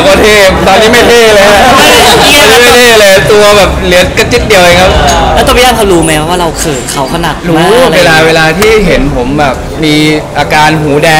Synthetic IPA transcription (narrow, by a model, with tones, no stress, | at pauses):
kʰa˧˩t̪ʰeː˧˩t̪ɔː˧nːiː˦˥ma˥˩jt̪ʰeː˧˥˩lɤː˧˦˥ | ɔ˧nːiː˦˥˩ma˥˩jt̪ʰeː˥˩lɤː˧jt̪u˧ɐbɛː˨˩p̚lɯ˩˦ɐka˦˥t͡ɕi˦˥t̪̚di˧əwʔe˧˩ŋkʰa˦˥p̚lɛ˦˥t̪ɔ˥˩pa˦jaː˥˩kʰa˦wduː˧ma˦jkʰa˧pwaː˥˩ɾa˧wkʰɤː˨˩t̪̚kʰa˩˦wkʰa˧na˨˩k̪̚ɾu˦˥weː˧laː˧weː˧laː˧t̪ʰiː˥˩ɦe˩˦npʰo˩˦mbɛː˨˩p̚miː˧ʔaː˧kaː˧nɦuː˩˦dɛː˧